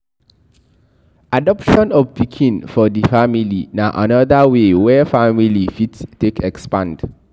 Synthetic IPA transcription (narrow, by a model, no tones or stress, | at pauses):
adɔpʃɔ̃nɔvpikʰĩnfɔdifamilinaʔa̰nɔdawewɛfamilifittːekɛkspãnd